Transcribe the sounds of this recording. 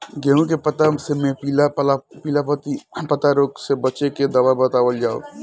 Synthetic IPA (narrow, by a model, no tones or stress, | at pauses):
ɡɛũkepət̪asemẽpilaplapiːlapət̪ipət̪aɾoːksebət͡ʃeked̪ɐʋabət̪aːʋəld͡ʒaːo̰